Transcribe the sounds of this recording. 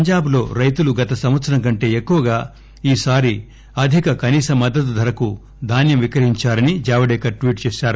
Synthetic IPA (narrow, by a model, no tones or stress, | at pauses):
pɐɲd͡ʒaːblo̞ːɾɐjt̪uluɡɐt̪ɐsɐmʋɐt̪sɐɾɐŋkɐɳʈe̞ːekːuʋɐɡaː | iːsaːɾi | ɐd̪ʱikɐkɐniːsɐmːɐd̪ːɐt̪̬ud̪ʱɐɾɐku | d̪ʱaːnjɐmʋikɾɐɦiɲt͡ʃaːɾɐnid͡ʒaːʋɐɽɛːkɐʈʋiːʈt͡ʃeːʃaːɾu